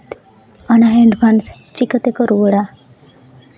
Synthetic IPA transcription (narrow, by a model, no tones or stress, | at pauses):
t̪ | anaɦeɳɖbʱans | t͡ɕikət̪ekəɾuʋəɽa